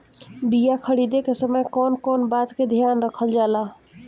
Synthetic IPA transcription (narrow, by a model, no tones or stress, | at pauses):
bijakʰəɽid̪ekesəməjkɔnkɔnbat̪ked̪ʱjanɾəkʰəld͡ʒala